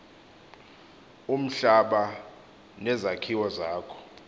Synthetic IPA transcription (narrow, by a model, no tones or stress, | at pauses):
um̩ɬaɓa | nɛzakʰiwɔzaːkʰɔ̥